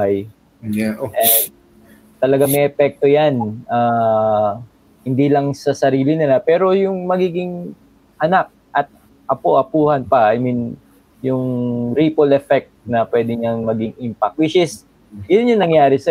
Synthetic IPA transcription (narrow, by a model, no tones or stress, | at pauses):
aj | ʔɛnd̪̚ | t̪ɐlɐɡaŋmɐjʔɛpɛk̚t̪ojanʔaː | hɪnd̪ilɐŋsɐsɐɾiːlɪnɪlapɛːɾo̞jʊŋmɐɡiːɡɪŋ | ʔɐnak̚ʔɐt̪̚ | ʔɐpo̞ʔɐpuːhɐnpɐʔajmin | jʊŋɾipolɛfɛk̚t̪̚nɐpwɛːd̪ɪɲɐŋmɐɡɪŋɪmpak̚wɪʃɪs | jʊnjʊŋnɐŋjaːɾɪsɐ